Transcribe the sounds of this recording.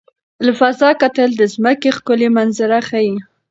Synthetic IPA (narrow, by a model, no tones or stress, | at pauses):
lafazɑkat̪əld̪əzməkexkʊlemanzɪɾaxaji